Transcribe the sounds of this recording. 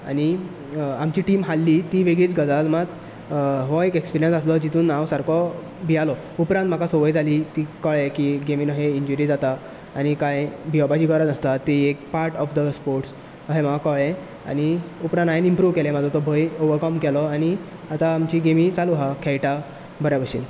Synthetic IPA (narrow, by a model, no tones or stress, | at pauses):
a̰ni | amt͡ɕiʈiːmɦalːiːt̪iʋeɡit͡sɡəd͡zalmat̪ | ɦɔekekspiɾijənsaslɔd͡ʑit̪uːnawsaɾkɔ | bʱialɔ | upɾãnt̪m̤akasoʋəjd͡zʱalit̪ikəɭẽkiɡeminəɦeiɲd͡ʑuɾid͡zat̪aː | ñikajbʱiɔbad͡ʑiːkəɾad͡zəst̪at̪ːiek̚paɾʈɔfd̪əspoɾʈs | ɦẽm̤akakəɭẽ | a̰niupɾãnajinimpɾuʋkɛlẽmad͡zʱɔt̪ɔbʱəjoʋəɾkɔmkɛlɔani | at̪aːmt͡ɕiɡemĩt͡saluɦakʰɛjʈa | bəɾjabəɕḭːn